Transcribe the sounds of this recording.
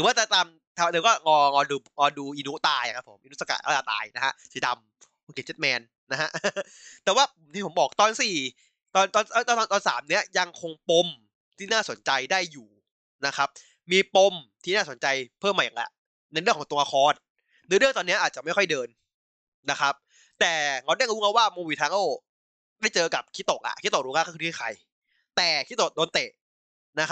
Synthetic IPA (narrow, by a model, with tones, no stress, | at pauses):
ɾɯ˨˦wa˥˩t̪ɛː˧˩t̪aː˧m | t̪ʰa˧ɤː˧˦kɔː˥˩ŋɔː˧ŋɔː˧duː˧ŋɔː˧duː˧ʔiː˧nu˦˥t̪aː˧jkʰa˦˥pʰo˩˦mʔi˧nu˦˥sa˧ka̰˨˩t̪̚a˧˥˩a˧˩t̪a̰ː˧jna˦˥kʰa˦˥si˨˧˦da˧m | o˧ke˨˧˩t͡ɕe˦t̪̚mɛː˧nːa˦˥ɦa˦˥ʔ | t̪ɛː˨˩waː˥˩pmt̪ʰiː˥˩pʰo˩˦bɔː˨˩k̚t̪ɔː˧nsiː˨˩ | t̪ɔː˧nt̪ɔː˧nː˧˩t̪ːɔ˧nt̪ɔː˧nsaː˩˦mni˦˥ɐja˧ŋkʰo˧ŋpo˧m | t̪ʰiː˥˩naː˥˩so˩˦nt͡ɕa˧jdaː˥˩jːuː˨˩ | na˦˥kʰa˦˥p̚ | miː˧po˧mt̪ʰiː˥˩naː˥˩so˩˦nt͡ɕa˧jpʰɯː˥˩ma˨˩ja˨˩ʔa̰˨˩ | na˧jɾɯ˩ŋʰkɔː˩˦ŋt̪u˧ŋʔa˧kʰɔː˧nː | ɯː˨˦ɾɯ˥˩əŋt̪ɔː˧nːi˦˥ɐʔaː˨˩t̪̚t͡ɕa˨˩ma˥˩jkʰɔ˥˩jdɤː˧n | na˦˥kʰa˦˥p̚ | t̪ɛː˨˩ŋa˧˥wɾa˥˩ŋɾuː˦˥ŋa˦˥˩waː˥˩moː˧wiː˧t̪ʰaː˧˥ʔoː˥˩ | da˥˩jt͡ɕɤː˧ka˨˩p̚kʰi˦˥t̪ːo˨˩k̚ʔa̰˨˩kʰiː˦˥o˨˩k̚u˦ka˧˥˩kʰːkʰːɯː˧˩i˥˩kʰa̰˧j | t̪ɛː˨˩kʰi˦˥t̪ːo˨˩k̚doː˧nt̪e˨˩ʔ | na˦˥kʰ